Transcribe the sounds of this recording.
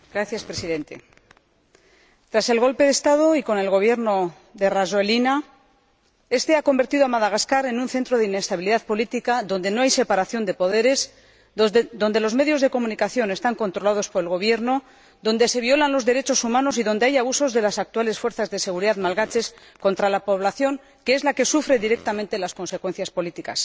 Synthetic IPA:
ɡ̥ɾaθjaspɾesiðe̞nt̪e̞̰ | t̪ɾase̞lɣo̞lpe̞ðest̪að̞o̞iko̞ne̞lɣo̞β̞je̞ɾno̞ | ðe̞razoelina | e̞st̪e̞ako̞mbe̞ɾt̪iðoamaðaɣaskaɾe̞nunθe̞nt̪ɾo̞ðeine̞st̪aβiliðaðpo̞lit̪ikaðo̞nd̪e̞no̞ajse̞paɾaθjo̞nd̪e̞po̞ð̞e̞ɾe̞s | d̪o̞nd̪e̞lo̞zme̞ðjo̞zðe̞ko̞mũnikaθjo̞ne̞st̪aŋko̞nt̪ɾo̞lað̞o̞spo̞ɾelɣo̞βje̞ɾno | ðo̞nd̪e̞se̞βio̞lanlo̞zðe̞ɾe̞t͡ʃo̞sumãno̞s̬iðo̞nd̪e̞ajaβuso̞zðe̞lasak̚t̪uale̞sfwe̞ɾθazðese̞ɣuɾiðaðmalɣat͡ʃe̞s | ko̞nt̪ɾalapo̞βlaθjo̞ŋ | kee̞zlake̞sufɾe̞ðiɾek̚t̪amẽnt̪e̞lasko̞nse̞kwe̞n̟θjaspo̞lit̪ikas

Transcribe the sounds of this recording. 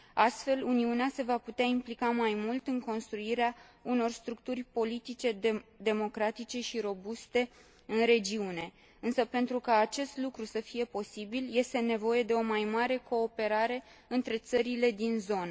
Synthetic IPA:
ast̪fe̞luniunease̞vaput̪eaimplikamajmult̪ɨŋko̞nst̪ɾuiɾeauno̞rst̪ɾuk̚t̪urʲpo̞lit̪it͡ʃe̞d̪e̞mo̞kɾat̪it͡ʃe̞ʃiɾo̞bust̪e̞ | ɨnɾe̞d͡ʒiune̞ | ɨnsəpe̞nt̪ɾukaːt͡ʃe̞st̪lukɾusəfije̞po̞sibilje̞st̪e̞ne̞vo̞je̞d̪e̞o̞majmaɾe̞ko̞ːpe̞ɾaɾe̞ | ɨnt̪ɾe̞t̪səɾile̞d̪inzo̞nə

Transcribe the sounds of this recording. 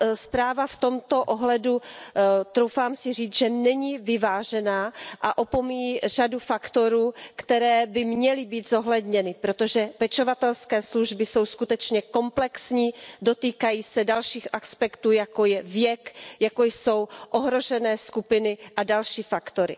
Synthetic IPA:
spɾaːvaft̪o̞mt̪o̞ʔoɦlɛdu | t̪ɾowfaːmsɪr̝iːt͡sʒɛnɛɲivɪvaːʒɛnaːʔaʔopomiiːr̝adufakt̪o̞ɾuːkt̪ɛɾɛːbɪmɲɛlɪbiːt̪zo̞ɦlɛd̪ɲɛnɪpɾo̞t̪o̞ʒɛpɛt͡ʃo̞vat̪ɛlskɛːsluʒbɪso̞wskut̪ɛt͡ʃɲɛko̞mplɛksɲiːdot̪iːkajiːsɛdalʃiːxʔaspɛkt̪uːjako̞jɛvjɛkjakojso̞wʔoɦɾo̞ʒɛnɛːskupɪnɪʔadalʃiːfakt̪o̞ɾɪ̰

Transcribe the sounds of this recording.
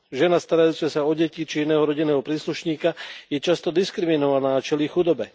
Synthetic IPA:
ʒɛnast̪aɾajuːt͡sɛsaɔɟɛcit͡ʃiinɛːɦɔɾɔɟinɛːɦɔpɾiːsluʃɲiːkajɛt͡ʃast̪ɔd̪iskɾiminɔʋanaːat͡ʃɛlixud̪ɔbɛ

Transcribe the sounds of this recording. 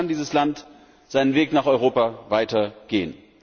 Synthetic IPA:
andiːzəslant | z̥aɪnənveːknaːχɔʏʁ̞oːpavaɪtɐɡ̥eːən

